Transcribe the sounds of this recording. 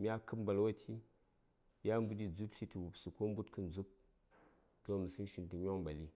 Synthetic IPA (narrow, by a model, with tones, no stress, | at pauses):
mʲ˦a˦kɨ˦m˦ba˨lwa˦tʰʲi˦ | ja˦m˦bu˦di˦d͡zu˦pɬʲi˦ti˨wu˨psu˨ko˦m̩˦bu˦tkɨ˦n˦d͡zu˦p̚ | to˦˨mi˨si˦n˦ʃi˨ntu˨ɲʲo˦ŋ˦ba˨li˦